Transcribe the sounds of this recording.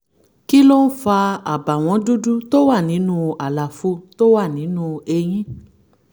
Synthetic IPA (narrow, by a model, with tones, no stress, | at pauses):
ki˦lo˦n̩˦fa˧a˨ba˨w̃ɔ̃˧du˦du˦to˦wa˦˨nĩ˨˦nũ˦a˨la˨fu˧˦to˦wa˦˨nĩ˨˦nũ˦˧e˧j̃ĩ˦